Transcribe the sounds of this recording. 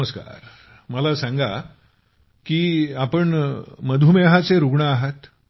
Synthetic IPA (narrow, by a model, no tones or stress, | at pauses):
əska̰ɾ | məlasãŋɡa | kiːapəɳməd̪ʱumeɦat͡seɾuɡɳaːɦət̪